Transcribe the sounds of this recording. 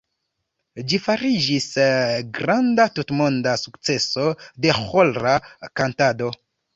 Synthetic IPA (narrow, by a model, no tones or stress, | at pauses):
d͡ʒifaɾid͡ʒisɡɾandatutmo̞ndasukt͡se̞so̞de̞xolɾakantado̞